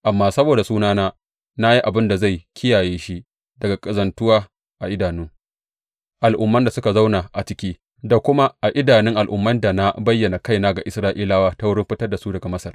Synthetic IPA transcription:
ʔa˨mːaː˦sɐ˦boː˨da˨suː˦naː˦naː˦ | na˦ji˦ʔa˨bɪ˦nda˨za˦˨jkʲʰɪ˦jaː˨jeː˦ʃi˦ʔ | dɐ˨ɡa˨kʼɐ˨zɐ˨ntʊ˦waː˦ | ʔa˨ʔɪ˦daː˨nʊ˦ŋ | ʔa˨lʔʊ˦mːɐ˦nda˨sʊ˦ka˨za˦wna˨ʔa˨t͡ʃɪ˦kʲiː˦ | da˨kʷʊ˦ma˦ʔa˨ʔɪ˦daː˨nɪ˦ŋʔa˨lʔʊ˦mːɐ˦nda˨na˦bɐ˦jːɐ˨na˨ka˦jnaː˦ɡa˨ʔɪ˨sɾaː˦ʔiː˦laː˦waː˦ta˦wʊ˦ɽɪ˦mɸɪ˦tɐ˦rda˨su˦dɐ˨ɡa˨mɐ˦sɐ˨r

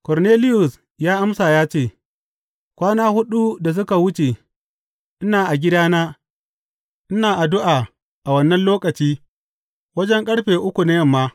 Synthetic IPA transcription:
kɔ˨ɾneː˦lɪ˦jʊ˨s | jaː˦ʔa˦msaː˨jaː˦t͡ʃeː˦˨ | kʷaː˦naː˦hʊ˦ɗu˦da˨s̬ʊ˦ka˨wʊ˦t͡ʃe˨ | ʔɪ˦naː˨ʔa˨ɡʲɪ˦daː˦naː˦ | ʔɪ˦naː˨ʔa˨dʊ˦ʔaː˨ | ʔa˨wɐ˦nːɐ˦nloː˦kɐ˨t͡ʃiː˦ | wɐ˦d͡ʒɛ˦ŋkʼɐ˦ɽɸeː˨ʔʊ˦kʷu˨na˦jɐ˦mːaː˦

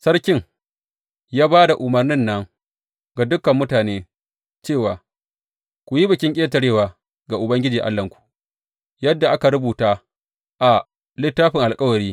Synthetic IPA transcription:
sɐ˦ɾkʲɪ˦ŋ | jaː˦baː˦da˨ʔʊ˨mɐ˨rnɪ˦nːɐ˦ŋ | ɡa˨dʊ˦kɐ˨mːʊ˦taː˨neː˦ | t͡ʃeː˦˨waː˨ | kʷʊ˨ji˦bɪ˨kʲɪ˦ŋkʲʼeː˦tɐ˨ɽeː˦waː˨ | ɡa˨ʔʊ˨bɐ˦ŋɡʲɪ˦d͡ʒiː˨ʔa̰˦lːɐ˨ŋkʷu̥˨ | jɐ˦dːa˨ʔa˦ka˨ɾʊ˦buː˨taː˦ | ʔa˨ | lɪ˦tːaː˦ɸɪ˨ŋʔa˨lkʼɐ˦wɐ˨ɾiː˦

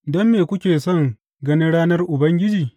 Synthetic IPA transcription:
dɔ˦mːeː˨kʷʊ˦kʲeː˨sɔ˦˨ŋ | ɡɐ˦ni˦ɽaː˦nɐ˦rʔʊ˨bɐ˦ŋɡʲɪ˦d͡ʒiː˨

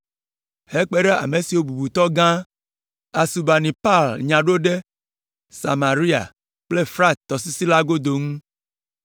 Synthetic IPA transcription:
he˦k͡pe˦ɖe˦a̰˨me˨si˨wo˦bu˨bu˨t̪ɔ˦ɡã˦ | a˨su˨ba˨nĩ˨pa˦˨lɲã˨ɖo˦ɖe˦ | sa̰˨ma˨ɾi˦a̰˨ | k͡ple˦fɾa˦˨t̚t̪ːɔ˨si˦si˦la˦ɡo˦d̪o˨ŋũ˦

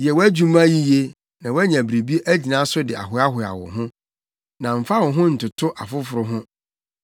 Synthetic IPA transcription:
jɛ˨wæ˦d͡ʑu˦mã˦ji˦je˦ | nã˨wæ˦ɲã˨bɾe˨bi˦e˦ʔæ˦d͡ʑi˨nã˦sʊ˦dɪ˨a̰˨ɦʊ˨˦a˦ɦʊ˨a̰˨wʊ̰̃˨ɦʊ̃˦ | nã˨m̩˨fa˦wʊ̃˨ɦʊ̃˦n̩˨tʊ˨tʰʊ˦ʔa˨fʊ˦fʊ˨ɾʊ˦ɦʊ̃˦

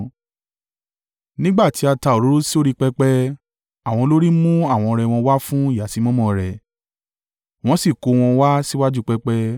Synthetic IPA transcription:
nĩ˦ɡ͡ba˦˨ti˨˦a˧ta˧˨o˨ɾo˨˦ɾo˦si˦o˦ɾi˦k͡pɛ˦k͡pɛ˦ | a˨w̃ɔ̃˧lo˦ɾi˦mũ˦a˦˨w̃ɔ̃˧ɾɛ˧wɔ̃˧wa˦fũ˦i˦˨ja˨si˧˦mɔ̃˦mɔ̃˧ɾɛ˨ | w̃ɔ̃˧˦si˦˨ko˧w̃ɔ̃˧wa˦si˦wa˦d͡ʒu˦˧k͡pɛ˦k͡pɛ˦

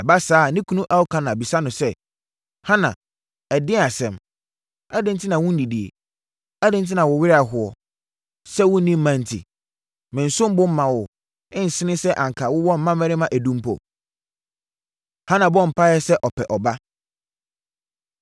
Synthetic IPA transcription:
ɛ˨ba˦saː˨˦˨nɪ̃˦kʰu˦nũ˦ʔa˦wʊ˦kʰã˦nã˨bi˨sa˦nʊ̃˨sɛ˦ | hã˦nã̰˨ | ɛ˨dɪ̃˦a˨sɛ̃˨m | a˦dɪ̃˦n̩˦tʰɪ˦nã˨wʊ̃˦n̩˦di˨di˨ḛ˨ | a˦dɪ̃˦n̩˦t̬ʰɪ˦nã˨wɔ˨wɪ˦ɾa˨ɦʊ˨ɔ̰˨ | sɛ˦wʊ̃˦nĩ˦m̩ː˦mã˨n̩˨tʰḭ˨ | mɪ̃˨n̩˨sʊ̃˦m˦bʊ̃˦m̩˦mã˨wʊ˨ | ɪ̃˦n̩˨sɪ˦nɪ̃˦sɛ˦ʔa˨ŋ̩˨kʰa˨wʊ˦wɔ̃˦m̩˦mã˦mɛ̃˦ɾɪ˦mã˦˨ʔæ˨dũ˦m˦pʰɔ̰˨ | hã˦nã˨bɔ̃˦˨m̩˨pʰa˦jɛ˦sɛ˦ʔɔ˨pʰɛ˨ʔɔ˨ba˦

